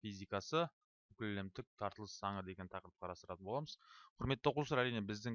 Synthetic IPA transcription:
fijzʲijkɑsə | kʲʏlːɪmt̪ɪk̚t̪ʰɑɾt̪əlˠəssɑɴəd̪e̞ɡʲe̞nt̪ʰɑqɾəp̚qʰɑɾɑst̪əɾɑt̪əbo̞lˠɑməzqʰʊɾme̞t̪ːoqulˠsɑɾæɾijnebɪzd̪ɪ

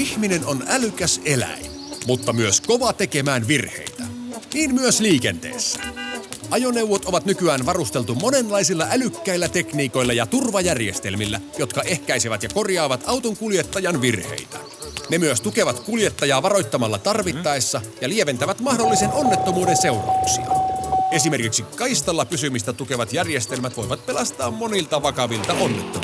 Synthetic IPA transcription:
içmine̞no̞nælykæse̞læ̰jnmut̪ːɑmyøsko̞ʋɑt̪e̞kemæːnʋirhḛit̪æniːnmyøsliːke̞̰nt̪ḛːsːæ̥ʔɑjo̞ne̞wʋot̪o̞ʋɑt̪nykyæːnʋɑrust̪e̞lt̪umo̞ne̞nlɑjsilːɑʔælykːæilːæt̪e̞kniːko̞jlːɑjɑt̪urʋɑjærjḛst̪elmilːæjo̞t̪kɑʔe̞hkæjseʋæt̪jɑko̞rjɑːʋɑt̪ɑwt̪oŋkuljet̪ːɑjɑnʋirhḛit̪æ | nemyøst̪uke̞ʋɑt̪kuljet̪ːɑjɑːʋɑɾo̞jt̪ːɑmɑlːɑt̪ɑrʋit̪ːɑesːɑjɑlieʋent̪æʋæt̪mɑhdolːiseno̞nːet̪ːomuːdense̞urɑ̰uksḭɑ̰e̞sime̞rkiksikkɑjst̪ɑlːɑpysymist̪æt̪uke̞ʋɑt̪jærjest̪elmæt̪ʋo̞jʋɑt̪̚pelɑst̪ɑːmmo̞nilt̪ɑʋɑkɑʋilt̪ɑonːet̪ːo

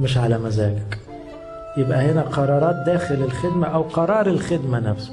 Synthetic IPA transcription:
mɪʃ̬ʕalæmæzæːɡæk | jɪbʔæhɪnæqɑɾˤɑːɾˤɑːt̪̚d̪æːxɪlɪlxɪd̪mæʔæwqɑɾˤɑːɾˤɪlxɪd̪mænæfsʊ̥

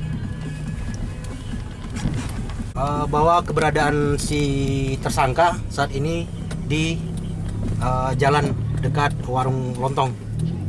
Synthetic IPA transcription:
ʔəbawakəbəɾadaːnsit̪ərsaŋkasaaːt̪ini | di | ʔəd͡ʒalandəkat̪̚waɾuŋlɔnt̪ɔŋ

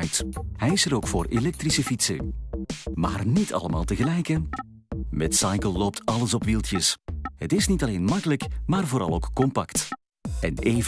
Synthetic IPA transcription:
jthɛjɪsəɾowkfo̰ːɾelɛk̚trisəfitsə̰ | ma̰ːrnitʰɑ̰ləmaːlˠtəɣəlɛjkə | mɛtsɑjkəlˠːowp̚tɑləsɔpʋilˠtjəsɦətɪsnitɑlejnmɑkələkmaːrvoːɾɑ̰lˠowkkɔmpɑkt | ɛneːv

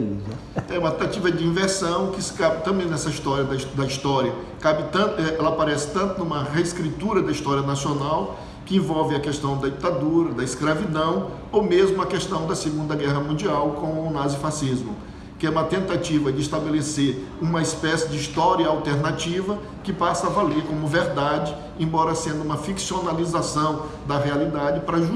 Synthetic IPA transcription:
ɛũmɐt̪ẽt̪at͡ʃivɐd͡ʒɪĩveɾsɐ̃w̃kɪsɪ̥kabɪt̪ɐ̃mbẽj̃nɛsɐist̪ɔɾiɐd̪ɐd̪ɐist̪ɔɾiɐ | kabɪt̪ɐ̃ɛɛlɐapaɾɛsɪ̥t̪ɐ̃nt̪ʊnũmɐɦeskɾit̪uɾɐd̪ɐist̪ɔɾiɐnasionaw | kɪẽvɔwvɪɐkest̪ɐ̃w̃d̪ɐd͡ʒit̪ad̪uɾɐd̪ɐɪskɾavid̪ɐ̃w̃ | owmezmʊɐkest̪ɐ̃w̃d̪ɐsɪɡũnd̪ɐɡɛɦɐmũd͡ʒiawkõnazifasizmʊ | kɪɛũmɐt̪ẽnt̪at͡ʃivɐd͡ʒɪːst̪abeleseɾ | ũmɐispɛsɪd͡ʒɪist̪ɔɾiɐawt̪eɾnat͡ʃivɐ | kɪpasɐavaleɾkõmʊveɾd̪ad͡ʒɪ | ẽbɔɾɐsẽnd̪ʊũmɐfiksionalizasɐ̃w̃ | d̪ɐɦealid̪ad͡ʒɪpɾɐʒ

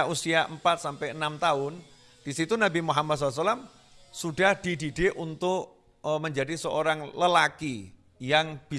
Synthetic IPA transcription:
ʔusiaʔəmpat̪̚sampɛənamt̪aʊn | d̥isit̪unabimuɦamad̪t̪̚sɔlas̬alam | sud̥ahd̥idideʔunt̪ʊʔ | məɲd͡ʒadisəʔoɾaŋləlaki | jaŋb̥i

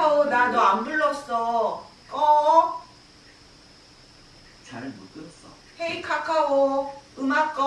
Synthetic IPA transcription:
aonanʌambuɭːʌs͈ʌ | kʌ | t͡ɕaɭmuk͈ɯʌs͈ʌ | heikʰakʰaoɯmat̚k͈ʌ

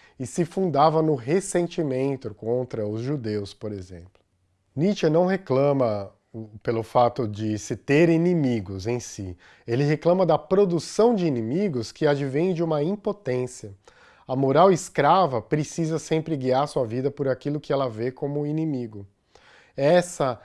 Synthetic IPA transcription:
ɪsɪfũnd̪avɐnʊɦesẽnt͡ʃimẽnt̪ʊkõnt̪ɾɐʊzʒud̪ewspoɾezḛ̃plʊ | nit͡ʃɐnɐ̃w̃ɦeklɐ̃mɐ | pelʊfat̪ʊd͡ʒɪsɪt̪eɾinimiɡʊzẽj̃si | elɪɦeklɐ̃mɐd̪ɐpɾod̪usɐ̃w̃d͡ʒɪinĩmiɡʊskɪad͡ʒivẽj̃d͡ʒɪũmɐĩpot̪ẽsiɐ | ɐmoɾawɪskɾavɐpɾesizɐsẽmpɾɪɡiaɾsuɐvid̪ɐpʊɾakilʊkɪɛlɐvekõmʊinimiɡʊ | ɛsɐ

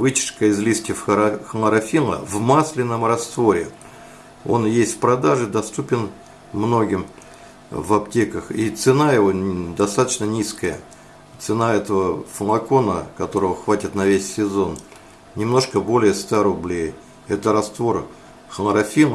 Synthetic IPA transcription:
vɨt͡ɕɪ̥ʂkəɪzlʲistʲɪfxlˠɾɐfʲilˠə̰vmaslʲɪnːəmrɐst̪vo̞ɾʲɪ | o̞̰njesʲt̪ʲfʲpɾɐd̪aʐɨd̪ɐst̪upʲɪn | mno̞ɡʲɪm | vɐptʲekəxit̪sɨnaɪvod̪ɐst̪at̪ət͡ɕnənʲiskəjə | t̪sɨnaɛt̪əvəfəlˠɐko̞nəkɐt̪o̞ɾəvəxvatʲɪt̪nɐvʲesʲːɪzo̞n | nʲɪmno̞ʂkəbo̞lʲɪjəst̪aɾʊblʲej | ɛt̪əɾɐst̪vo̞r | xlˠɾɐfʲilˠ

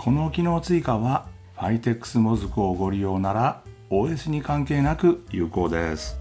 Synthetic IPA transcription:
kʰo̞no̞kʲino̞ːt͡sɨikaβa | ɸait̪e̞kːɯ̥sɨmo̞zɨkɯ̟oːɡo̞ɾʲijo̞ːnaɾa | oːesɨɲ̟ikãŋke̞ːnakɯ̟jɯ̟ːko̞ːd̪e̞̰sɨ̥

